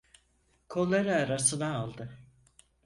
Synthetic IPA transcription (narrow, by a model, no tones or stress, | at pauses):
kʰolˠːaɾɯaɾasɯnaːlˠd̪ɯ